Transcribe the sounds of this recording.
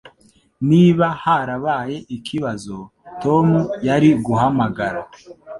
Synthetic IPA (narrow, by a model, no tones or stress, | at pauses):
niβahaɾaβaːje̞ʔikʰiβazo̞ | to̞mujaɾiɡuhamaɡaɾa